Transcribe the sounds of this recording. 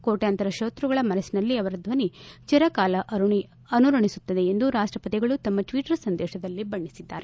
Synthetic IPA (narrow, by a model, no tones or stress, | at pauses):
koːʈeɐnt̪ɐɾɐʃoːt̪ɾuɡɐɭɐmɐɾɐsinɐlːiɐʋɐɾɐd̪ʋɐnit͡ʃiɾɐkaːlɐʔɐɾuɳi | ɐnuɾɐɳisut̪ːɐd̪e̞ːnd̪uɾaːʂʈɾɐpɐt̪iɡɐɭut̪ɐmːɐʈʋiːʈɐɾɐsɐnd̪ɛːʃɐd̪ɐlːibɐɳːisid̪ːaːɾe